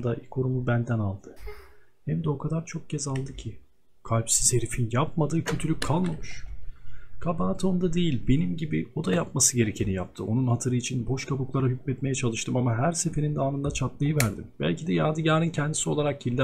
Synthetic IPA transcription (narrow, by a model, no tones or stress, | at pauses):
d̪aʔikʰo̞ɾumubænd̪ænalˠd̪̥ɯ | hɛmd̪ɛo̞kʰad̪aɾt͡ʃʰo̞k̚cɛzalˠd̪ɯcʰi | kʰalʲpsiz̥he̞ɾifinjap̚mad̪ɯːcʰø̞t̪ʰylʲyc̚kʰalˠmamɯʃ | kʰabaːt̪ʰo̞nd̪ad̪e̞jilʲbe̞nimɟibio̞d̪ajap̚masɯɟe̞ɾecʰe̞nijap̚t̪ʰɯʔo̞nunhat̪ʰɯɾɯit͡ʃʰinbo̞ʃkʰabuklˠaɾaɦycmɛt̪me̞jɛt͡ʃʰalˠɯʃt̪ʰɯmamaɦæɾse̞fe̞ɾind̪ɛaːnɯnd̪at͡ʃʰat̪lˠajɯvæɾd̪imbæ̰lʲcid̪ɛjaːd̪ɯɟaːɾɯncʰɛnd̪isio̞lˠaɾakilʲː